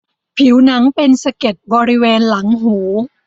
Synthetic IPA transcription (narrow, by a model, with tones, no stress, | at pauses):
pʰi˩˦wna˦˥ŋpe˧nsa˧ke˨˩t̪̚bɔː˧ɾi˦˥weː˧nla˩˦ŋɦuː˩˦